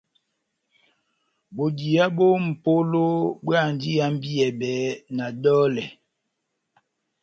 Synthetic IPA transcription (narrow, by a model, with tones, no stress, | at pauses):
bo˨di˨a˦bo˦m̩˨po˦lo˦bwa˦˨n˨˦di˦a˦m̩˦bi˦ɛ˨bɛː˨˦na˨dɔː˦lɛ˨